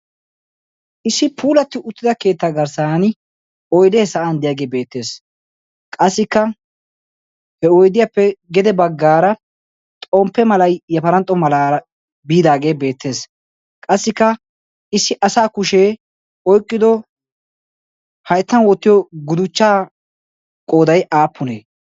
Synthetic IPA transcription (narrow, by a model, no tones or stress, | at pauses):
ʔɪsːɪpʰuːlɐt̪ːɪʊt̪ːɪd̪ɐke̞ːt̪ːaːɡɐɾsaːn | ɔjd̪eːsɐʔand̪ɪjaɡe̞ːbe̞ːt̪ːe̞ːs | kʼɐsːɪkːɐ | hɛɔjd̪ɪjapːɛɡɛd̪ɛbɐɡːaːɾɐ | t̪ʼɔmpːɛmɐlɐjjɐfɐɾɐnt̪ʼːɔmɐlaːɾɐ | biːd̪aːɡe̞ːbe̞ːt̪ʰːe̞ːs | kʼɐsːɪkːɐ | ɪsːɪʔɐsaːkʊʃeː | ɔjkʼːɪd̪ɔ | hɐjt̪ːɐnwɔt̪ːɪjɔɡʊd̪ʊt͡ʃːaː | kʼoːd̪ɐjʔaːpːʊnḛː